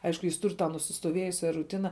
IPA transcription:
ˈɐɪʃkʊ ˈjɪs ˈtʊrʲ tɐ nʊsʲɪstoːˈʋʲeːjʊsʲɛ rʊˈtʲɪnɐ

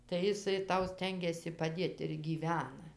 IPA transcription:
tɐɪ ɪˈsɐɪ ˈtɐʊ ˈsʲtʲɛŋʲɡʲɛsʲɪ pɐˈdʲeːt ɪr ɡʲiːˈʋʲæːnɐ

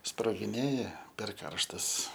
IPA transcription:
sproːɡʲɪˈnʲeːjɛ pʲɛr ˈkɐrʃtɐs

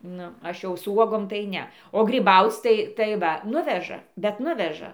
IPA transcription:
ˈnʊ ˈɐʃ jɛʊ sʊ ˈuɔɡoːm tɐɪ ˈnʲɛ oː ɡrʲiːˈbɐʊt͡sʲ tɐɪ tɐɪ ˈʋɐ ˈnʊʋʲɛʒɐ bʲɛt ˈnʊʋʲɛʒɐ

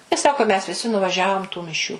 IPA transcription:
ɪ ˈsɑːkoː mʲɛs ʋʲɪˈsʲɪ nʊʋɐˈʒʲæːʋoːm tuː mʲɪˈʃʲuː

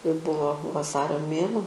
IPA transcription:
jɛʊ ˈbʊʋoː ʋɐˈsɑːrʲoː ˈmʲeːnuɔ

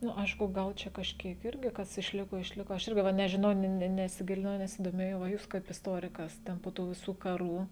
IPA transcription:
ˈnʊ ˈɐɪʃkʊ ˈɡɐlˠ t͡ʃʲɛ kɐʃʲˈkʲiɛk ˈɪrʲɡʲɪ ˈkɐs ɪʃʲˈlʲɪkoː ɪʃʲˈlʲɪkoː ˈɐʃ ˈɪrʲɡʲɪ ˈʋɐ nʲɛʒʲɪˈnɐʊ nʲɛ nʲɛ nʲɛsʲɪˈɡʲɪlʲɪnɐʊ nʲɛsʲɪdoːˈmʲeːjɛʊ ʋɐ ˈjuːs kɐɪp ɪsˈtoːrʲɪkɐs ˈtʲɛn poː ˈtuː ʋʲɪˈsuː kɐˈruː

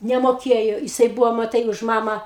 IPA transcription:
nʲɛmoːˈkʲeːjoː jɪˈsɐɪ ˈbʊʋoː mɐˈtɐɪ ʊʃ ˈmɑːmɑː

